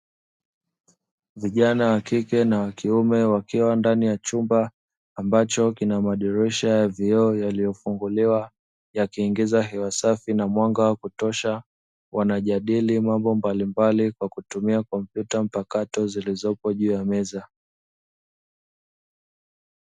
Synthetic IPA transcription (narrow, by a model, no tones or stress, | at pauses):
viʄanawakikɛnawakiumɛwakiwandanijat͡ʃumbaː | mbat͡ʃɔkinamaɗɛɾɛʃajaviɔjalijɔfuŋɡuliwa | jakiːŋɡizaɦɛwasafinamwaŋɡawakutɔʃa | wanaʄaɗilimambɔmbalimbalikwakutumiakɔm̩pjutam̩pakatɔzilizɔpɔʄuːjamɛza